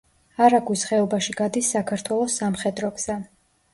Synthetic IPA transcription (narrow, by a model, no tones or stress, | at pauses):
aɾaɡwisχɛɔbaʃiɡad̪isːakʰaɾt̪ʰwɛlˠɔsːamχɛd̪ɾɔɡz̥a